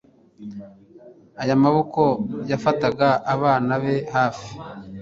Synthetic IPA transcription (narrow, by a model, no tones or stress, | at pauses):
ajamaβoko̞jafataɡaʔːβaːnaβe̞haːfi̥